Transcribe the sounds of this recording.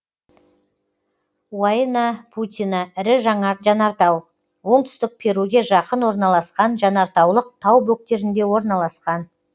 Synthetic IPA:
wanɑpʰut̪ʲijnɑɪɾɪʒɑɴɑʒɑnɑɾt̪ɑw | wo̞ɴt̪ʏ̥st̪ɪk̚pʰe̞ɾuɡʲe̞ʒɑqənwo̞ɾnɑlˠɑsqɑnʒɑnɑɾt̪ɑwlˠəq̚t̪ʰɑwbɵk̚t̪e̞ɾɪnd̪e̞wo̞ɾnɑlˠɑsqɑn

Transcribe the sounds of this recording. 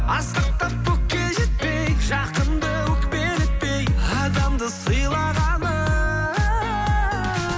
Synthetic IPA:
ɑsqəq̚t̪ɑp̚kʰɵk̚kʲːe̞ʒet̪̚pe̞jʒɑqənd̪əwɵkpeɾɪt̪̚pejɑd̪ɑmd̪əsəjlˠɑʁɑnə

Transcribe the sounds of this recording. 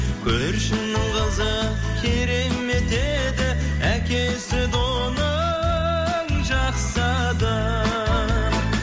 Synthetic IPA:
kʲʰɵɾʃɪnnɪŋʁɑzə | kʲʰeɾe̞me̞t̪e | d̪ɪ | ækʲe̞ | sɪd̪o | nə | ŋʒɑqsɑ | d̪ə

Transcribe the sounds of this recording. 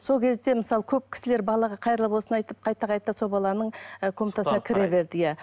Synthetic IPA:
so̞lˠkʲʰe̞zd̪e̞mɪsɑlˠəkʲʰɵp̚kʲʰɪ̥sɪle̞ɾbɑlˠɑʁɑqʰɑjɾlˠəpwo̞sənɑjt̪əp̚qʰɑjt̪ɑqʰɑjt̪ːɑso̞lˠbɑlˠɑnəɴəkʰomt̪ɑsnkʲʰɪɾebe̞ɾd̪ɪjæ

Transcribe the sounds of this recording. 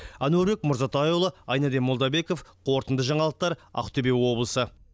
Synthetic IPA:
ɑnuɵɾbe̞kmʊɾzɑt̪ɑjolˠəɑjnɑd̪emolˠd̪ɑbe̞ko̞fqʰo̞ɾt̪ənd̪əʒɑɴɑlˠəq̚t̪ɑɾɑ̰qt̪ʰɵbe̞wo̞blˠəsə

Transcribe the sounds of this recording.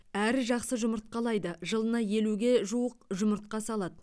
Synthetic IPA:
æɾɪʒɑqsəʒʊməɾt̪̚qɑlˠɑjd̪əʒəlˠənɑje̞luɡʲe̞ʒuwəqʒʊməɾt̪̚qɑsɑlˠɑd̪ə

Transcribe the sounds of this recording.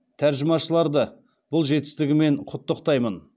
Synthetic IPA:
t̪ʰæɾʒɪmɑʃəlˠɑɾd̪ə | b̥ʊlˠʒe̞t̪ɪ̥st̪ɪɡʲɪme̞ɴqʰʊt̪ːəqt̪ɑjmən

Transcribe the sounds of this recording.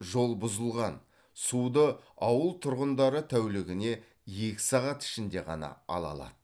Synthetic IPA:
ʒo̞lˠbʊzəlˠʁɑn | sud̪əɑwəlˠt̪ʰʊɾʁənd̪ɑɾət̪ʰæwlɪɡʲɪne̞ | je̞kʲɪ̥sɑʁɑt̪ɪ̥ʃɪnd̪e̞ʁɑ̰nɑ̰ɑ̰lˠɑ̰lˠɑ̰d̪̥ə

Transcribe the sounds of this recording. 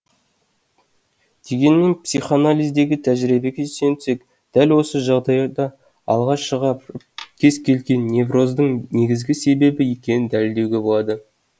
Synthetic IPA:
d̪̥e̞ɡʲe̞nme̞npsiχanalʲijzd̪e̞ɡʲɪt̪ʰæʒɾibe̞kʲʰeʒsent̪ʰʏ̥sek | d̪̥ælwo̞səʒɑʁd̪ɑjd̪ɑ | ɑ̰lˠʁɑʃʃəʁɑ | kʲʰe̞zkʲʰe̞lɡʲe̞nːe̞vro̞zd̪əɴne̞ɡʲɪzɡʲɪse̞be̞bɪje̞kʲe̞nɪnd̪ælɪld̪e̞wɡʲe̞bo̞lˠɑd̪ə

